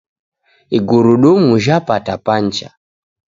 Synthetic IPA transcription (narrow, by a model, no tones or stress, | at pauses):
iɡuɾuɗumuʒapatapant͡ʃa̰